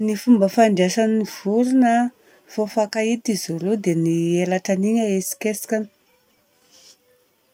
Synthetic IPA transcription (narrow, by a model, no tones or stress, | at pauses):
nifumbəfaɳɖ͡ʐasaniv̥uɾinə | fofakait̪izulud̪enielaʈ͡ʂaniɲaesi̥kesi̥kʲan̥